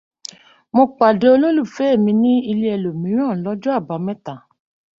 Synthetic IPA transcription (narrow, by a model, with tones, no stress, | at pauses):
mõ˧k͡pa˨de˧˦o˧lo˦lu˦˨fe˦˨mĩ˧nĩ˦i˧li˦ɛ˧lo˨mĩ˨˦ɾ̃ã˦˨lɔ˨˦d͡ʒɔ˦a˦˨ba˨˦mɛ̃˦ta˨